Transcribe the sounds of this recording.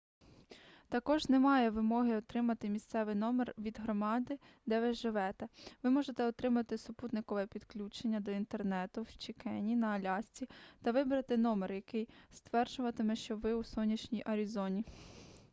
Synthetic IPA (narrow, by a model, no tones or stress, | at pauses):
t̪ɐkɔʒnɛmɑjɛʋɪmɔɦɪɔt̪ɾɪmɐt̪ɪmʲist̪sɛʋɪjnɔmɛrʋʲid̪ɦɾɔmɑd̪ɪ | d̪ɛʋɪʒɪʋɛt̪ɛʋɪmɔʒet̪ɛɔt̪ɾɪmɐt̪ɪsʊput̪nɪkɔʋɛpʲid̪klʲut͡ʃenʲːɐd̪ɔint̪ernɛt̪ʊwt͡ʃikɛnʲinɐɐlʲɑsʲt͡sʲit̪ɐʋɪbɾɐt̪ɪnɔmɛrjɐkɪjst̪ʋɛrd͡ʒʊʋɐt̪emɛʃt͡ʃɔʋɪusɔnʲːɐt͡ʃnʲijʔɐɾʲizɔnʲi